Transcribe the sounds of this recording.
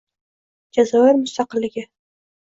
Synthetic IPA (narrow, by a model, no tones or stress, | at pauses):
d͡ʒazɒwaɾmʊst̪ɑqɨlːɪɡʲɪ